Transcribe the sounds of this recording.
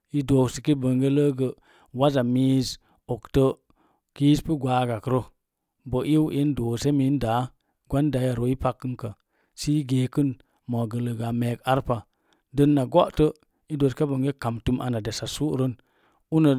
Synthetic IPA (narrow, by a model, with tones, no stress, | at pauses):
i˦doː˨si˨ki˦bə˨ŋɡe˦lə˦ɡə˨ | wa˦za˨mi˦z | o˨ktə˦ | ki˦spə˦ɡʷaː˨˦ɡa˨kə˦ɾo˦ | bə˨ʔi˦ʔe˦ndoː˨se˦mi˨˦nda˨˦ | ɡʷa˦nda˨˦ja˨ɾo˨i˦pa˧kːɨ˦nkə˨ | si˦ɡe˨kɨ˦n | mo˨ɡə˨lə˨ɡa˨me˨ka˦ɾpa˨ | də˦nːa˨ɡo˦ʔtə˦ | i˦do˨ske˦bə˨ŋɡe˦ka˨mtu˦mʔa˨na˨de˨sa˨su˦ɾə˦n | u˦nə˨